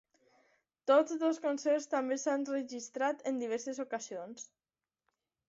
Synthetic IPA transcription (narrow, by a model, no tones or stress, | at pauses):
t̪od͡zðəlˠskonsɛɾst̪ambesanrəʒist̪ɾat̪ənd̪iβ̞ɛɾsezokazions